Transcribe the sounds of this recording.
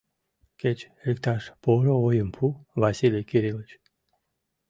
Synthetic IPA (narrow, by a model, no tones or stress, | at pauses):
kʲet͡ʃ | ɾikt̪aʃpoɾoojəmpʰuvasilʲikʲiɾilit͡ʃ